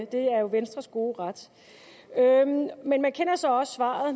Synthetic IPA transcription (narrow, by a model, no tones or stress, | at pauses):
əd̥e̝æɐjo̝ʋensd̥ʁɐsɡ̥o̝ːʁad̥ | ømenmænkʰenɐsɒ̽ɒ̽sːʋɑ̰̈ð̩ˠ